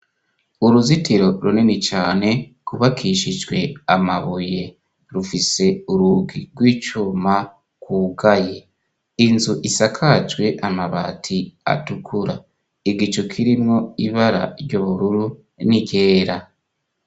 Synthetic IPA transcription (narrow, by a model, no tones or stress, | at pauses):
uɾuzitiɾo̞ɾunenit͡ʃaːne̞kuβakʰiʃid͡ʒɡwe̞amaβuje̞ | ɾufise̞uɾuɡiɡwiːt͡ʃuma | kwuɡaje̞ | inzuʔisakʰad͡ʒɡwe̞ʔamaβa̰tʰia̰tukʰuɾa | iɡit͡ʃokʰiɾimŋo̞iβaɾa̰ɾjɟoβuɾuɾu | niɟe̞ːɾa